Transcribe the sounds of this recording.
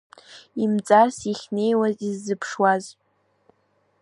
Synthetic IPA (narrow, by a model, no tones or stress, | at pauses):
imt͡sʼarsiχʲne̞jwazizːɨpʰʂwaz